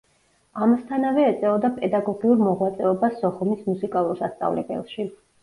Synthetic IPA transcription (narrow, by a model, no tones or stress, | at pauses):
amast̪ʰanavɛːt̪sʼɛɔd̪apʼɛd̪aɡɔɡiuɾmɔʁwat̪sʼɛɔbasːɔχɔmismusikʼalˠuɾsast̪sʼa̰vlɛ̰bɛ̰lˠʃi